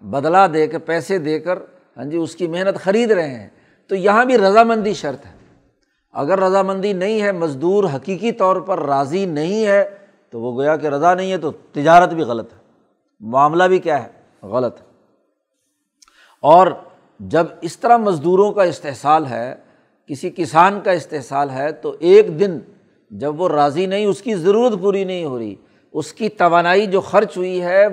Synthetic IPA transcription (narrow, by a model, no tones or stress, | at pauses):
bɐd̪lad̪eːkəɾpɛːsed̪eːkəɾ | ɦã̰ːd͡ʒiʊskimeɦnət̪xɐɾiːd̪ɾɐɦẽɦɛ̰̃ | t̪ojɐɦãbʱiɾɐzamɐ̃nd̪iʃɐɾt̪ɦɛ̥ː | ɐ̰ɡəɾːɐzamɐ̃nd̪inɐɦĩɦɛmɐzd̪uːɾɦɐkiːkit̪ɔːɾpɐɾːaːzinɐɦĩɦɛ | t̪oʋoɡoːjakeɾɐzanɐɦĩɦɛt̪ot̪ɪd͡ʒaːɾət̪bʱiɣɐlət̪ɦɛ | mʊaːmlabʱikjaːɦɛː | ɣɐlət̪ɦɛ | ɔːɾ | d͡ʒɐbɪst̪əɾamɐzd̪uːɾõkaɪst̪eɦsaːlɦɛ̰ː | kɪsikɪsaːnkaɪst̪eɦsaːlɦɛt̪oʔeːkd̪ɪn | d͡ʒɐbʋoɾaːzinɐɦĩʊskizɐɾuːɾət̪puːɾinɐɦĩɦoːɾəḭː | ʊskit̪ɐʋaːnaːid͡ʒoːxɐɾt͡ʃɦʊiɦɛ